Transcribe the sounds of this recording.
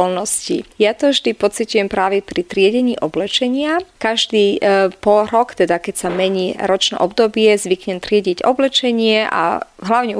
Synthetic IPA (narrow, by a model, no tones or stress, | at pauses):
lnɔscḭjat̪ɔvʒd̪ipɔt͡sicujɛmpɾaːʋɛpɾit̪ɾɪɛɟɛɲiːʔɔblɛt͡ʃɛɲɪakaʒd̪iːpɔlɾɔkt̪ɛd̪akɛcsamɛɲiːɾɔt͡ʃnɛ̰ʔɔbd̪ɔbɪɛzʋikɲɛnt̪ɾɪɛɟiɟɔ̰blɛt͡ʃɛɲɪɛʔa̰ɦlaʊɲɛ